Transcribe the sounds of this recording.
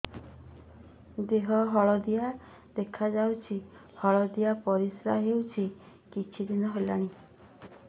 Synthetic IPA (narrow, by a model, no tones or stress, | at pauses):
d̪eɦɔɦɔɭɔd̪ia | d̪ekʰad͡ʒawt͡ʃʰi | hɔɭɔd̪iapɔɾisɾaɦewt͡ʃʰi | kit͡ʃʰid̪inɔɦolaɽ̃i